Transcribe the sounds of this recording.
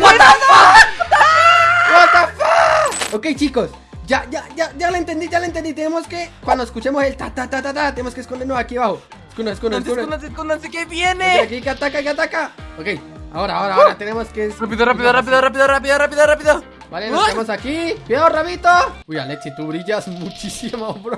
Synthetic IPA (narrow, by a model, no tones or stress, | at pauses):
ot̪að | kot̪afaokejt͡ʃikos | d͡ʒaʝad͡ʒaʝalaent̪end̪id͡ʒalaent̪end̪it̪enemoskekwand̪oeskut͡ʃemoselt̪at̪at̪at̪at̪̬at̪enemoskeskond̪eɾnosakiaβaxo | eskunoseskunossuund̪anseskund̪ansekeβjeneakikeat̪akakeat̪akaokej | a̰oɾaːoɾaoɾat̪enemoskerapiðorapiðorap̬iðorap̬iðorapiðorapiðorapiðo | balenoseemosakipeoraβit̪ouja̰leksit̪uβɾiʝasmut͡ʃisimopɾo